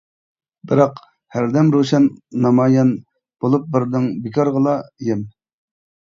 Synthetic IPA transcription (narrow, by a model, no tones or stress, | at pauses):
bɪɾɑq | hæɾd̪ɛmɾoʃɑnːɑmɑjɑn | b̥olˠup̚bɪɾd̪ɪŋbikʰɑɾʁəlˠɑjɪm